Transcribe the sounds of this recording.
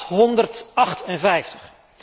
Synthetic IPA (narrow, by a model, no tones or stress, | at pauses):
ɦɔndərtɑχtɛnvɛjftəχ